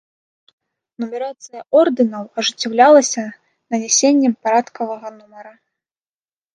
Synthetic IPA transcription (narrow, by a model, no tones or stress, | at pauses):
numʲɛɾat̪sɨjɐʔɔrd̪ɨnɐwɐʐɨt͡sʲːawlʲalˠɐsʲɐ | nɐnʲɛsʲenʲːɛmpaɾat̪kɐvɐɣɐnumɐɾɐ